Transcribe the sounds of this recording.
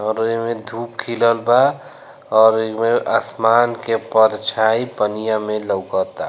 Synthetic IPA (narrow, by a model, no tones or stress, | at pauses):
ɔːɾmẽd̪ʱuːpkʰiləlba | ɔːɾmẽʔasmaːnkepəɾt͡ʃʰaipənijamẽləwɡət̪a